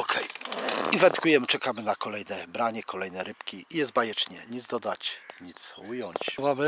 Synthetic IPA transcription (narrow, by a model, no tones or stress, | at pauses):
ɔkʰɛjivɛnt̪kujɛmɘt͡ʂɛkamɘnakɔlɛjnɛbɾaɲɛkʰɔlɛjnɛɾɘpkʲiijɛst̪bajɛt͡ʂɲɛɲid̪zd̪ɔd̪at͡ɕɲit̪sujɔɲt͡ɕmamɘ